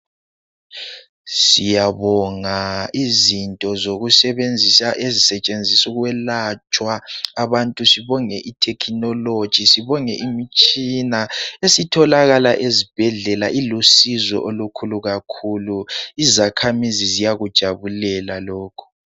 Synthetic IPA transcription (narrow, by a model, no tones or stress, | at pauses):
sijaβɔŋaizintʼɔzoɣusɛβend͡zʱisaʔezisɛt͡ʃʼend͡zʱisuɣwɛlat͡ʃʼwaːβantʼusiβɔŋɛʔitʰɛkʰinɔlod̥ʒ̥ʱisiβɔŋɛʔimit͡ʃʼinaesitʰɔlaɣalaʔezib̥ʱɛɮɛlaʔilusizɔ̰ʔolukʰuluɣakʰuluizakʰamizizijaɣud̥ʒ̥ʱaβulɛlalɔːkʰu̥